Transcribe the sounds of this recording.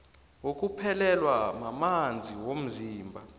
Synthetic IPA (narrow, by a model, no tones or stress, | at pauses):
wok̬ʼupʰɛlɛlwamamand͡zʱiwom̩ziːmbʱa